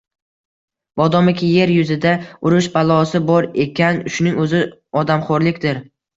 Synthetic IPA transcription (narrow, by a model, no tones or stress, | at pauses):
b̥ɒd̪ɒmɪkʲɪje̞ɾjʊzɪd̪aʊɾʊʃbalˠɒsɪbɒɾe̞kʲʰanʃʊnɪŋɵzɪɒd̪amχoɾlɪkʲd̪ɪɾ